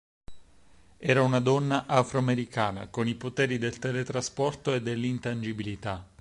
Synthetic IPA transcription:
ɛːɾaunad̪ɔnːaʔafɾoameɾikaːna̰konipot̪ɛːɾid̪elt̪ɛlet̪ɾaspɔrt̪oed̪ːelːint̪and͡ʒibilit̪a

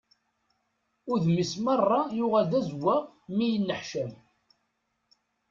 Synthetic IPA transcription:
ʊɾðmismɑrˤːɑjʊʁælðæzwːæ | mijənːəħʃəm

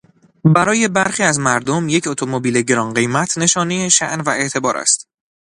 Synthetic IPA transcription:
bæɾɒːje̞bæɾxiːæzmæɾd̪omje̞cʰo̞t̪ʰo̞mo̞biːle̞ɟe̞ɾɒnɢe̞jmæt̪ʰne̞ʃɒːnejeʃæ̰ʔnvæe̞ʔt̪ʰe̞bɒːɾæ̰st̪

